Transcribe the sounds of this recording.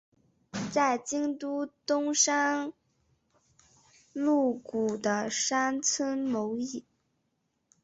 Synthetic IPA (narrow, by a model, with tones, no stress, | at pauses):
t͡sa˥˩ɪt͡ɕi˥ŋt̪u˥t̪ʊ˥ŋʂa˥n | lu˥˩ku˨˩d̪ə˦ʂa˥nt͡sʰə˥nmo˧˥ʊi˥˩